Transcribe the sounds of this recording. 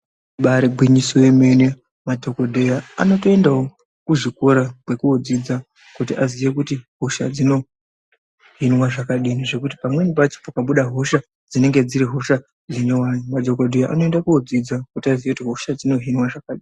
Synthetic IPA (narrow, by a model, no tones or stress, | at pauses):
ɓaɾeɡʱwiɲisoeme̞ne̞ | madʱo̞kodʱejaa̰no̞to̞e̞ndao | kuʐikoɾakwe̞kuod͡zid͡za | kutiʔazijek̬utiɦo̞ʃa̰d͡zino̞ | ɦinwaʐakaɗineʐe̞kuti̥pamwe̞nipat͡ʃi̥fokaɓuɗaɦo̞ʃa | d͡zine̞ŋɡe̞d͡ziɾiɦo̞ʃa | d͡zeɲowaːjomadʱokodʱejaʔa̰no̞e̞ndakuod͡zid͡zakutiazijekutiɦoʃad͡zino̞ɦinwaʐakaɗiːnni